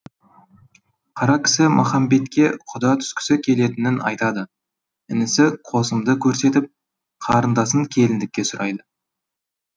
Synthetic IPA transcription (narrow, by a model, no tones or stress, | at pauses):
qʰɑɾɑkʲʰɪ̥sɪmʔɑ̰χɑmbe̞t̪kʲe̞qʰʊd̪ɑt̪ʰʏ̥skʲɪ̥sɪkʲʰe̞le̞t̪ɪnɪnɑ̰jt̪ɑd̪ə | ɪnɪsɪqʰo̞səmd̪əkʲʰɵɾse̞t̪ɪp̚ | qʰɑɾənd̪ɑsəŋkʲʰe̞lɪnd̪ɪkʲːe̞sʊɾɑjd̪ə